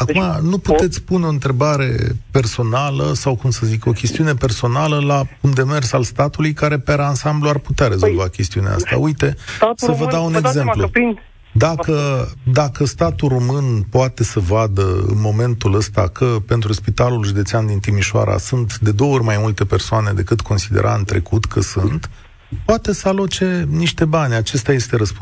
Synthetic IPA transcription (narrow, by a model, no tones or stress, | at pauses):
akumanuput̪e̞t̪sʲpuneo̞ɨnt̪ɾe̞baɾe̞̰pe̞rso̞nalə̰sawkumsəziko̞kʲest̪iune̞pe̞rso̞naləlakumd̪e̞me̞rsalst̪at̪ulujkaɾe̞peɾansambluarput̪eaɾe̞zo̞lvakʲe̞st̪iunḛa̰a̰st̪a̰ujt̪e̞səvəd̪aune̞ɡze̞mplu | d̪akəd̪akəst̪at̪uro̞mɨnpoat̪e̞səvad̪əɨ̰nmo̞me̞nt̪uləst̪a̰kʰəpe̞nt̪ɾuspit̪alulʒud̪e̞t̪seand̪int̪imiʃoa̰ɾa̰sunt̪d̪e̞d̪o̞o̞rʲmajmult̪e̞pe̞rsoane̞d̪e̞kɨt̪kʰo̞nsid̪eɾʔa̰ɨnt̪ɾe̞̰kut̪kʰəsunt̪ | poat̪e̞səalo̞t͡ʃe̞niʃt̪e̞banʲat͡ʃe̞st̪aje̞st̪e̞ɾəspu